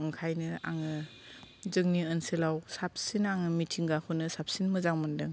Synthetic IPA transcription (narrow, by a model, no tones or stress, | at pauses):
ŋkʰajnɯa̰ŋɯ | zɯŋniɯnselawsap̚sinaŋɯmitʰiŋɡakʰɯnɯsap̚sinmɯzaŋmɯndɯŋ